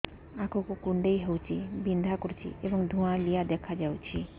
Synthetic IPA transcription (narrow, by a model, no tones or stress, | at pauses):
akʰokokuɳɖeiɦewt͡ʃʰibind̪ʱakɔɾt͡ʃʰḭebɔŋd̪ʱũãlijad̪ɛkʰad͡ʒawt͡ʃʰi